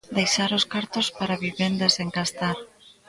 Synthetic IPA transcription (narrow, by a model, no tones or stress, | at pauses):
d̪ejʃaɾoskaɾt̪ospaɾaβiβend̪eseŋkast̪aɾ